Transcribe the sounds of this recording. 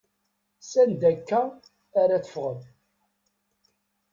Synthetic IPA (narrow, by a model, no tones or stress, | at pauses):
sænd̪ækːæː | ɾæθə̥fʁəð